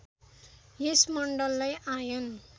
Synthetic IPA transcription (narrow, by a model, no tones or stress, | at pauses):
jesmʌɳɖʌlːajajon